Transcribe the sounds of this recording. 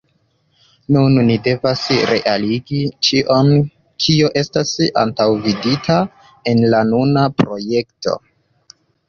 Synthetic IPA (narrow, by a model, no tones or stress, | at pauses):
nunːide̞vasɾe̞̰ʔaliɡit͡ʃiʔon | kʰio̞ʔe̞stasa̰ntawviditʰa | e̞nlanunapɾo̞je̞kto̞̰